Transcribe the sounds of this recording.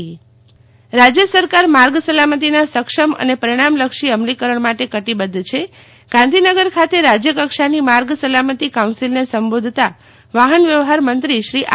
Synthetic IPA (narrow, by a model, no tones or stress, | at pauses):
ɾad͡ʒjəsəɾkaɾmaɾɡsəlamət̪̬inasəkʃəmə̰nepəɾiɽ̃amləkʃiəmlikəɾəɳ̃maʈekəʈibəd̪ʱːt͡ʃʰe | ɡ̥ãnd̪ʱinəɡəɾkʰat̪eɾad͡ʒjəkəkʃanimaɾɡsəlamət̪ikawnsilnesəmbod̪ʱt̪a | ʋaɦənʋjəʋɦaɾmənt̪ɾiʃɾiʔ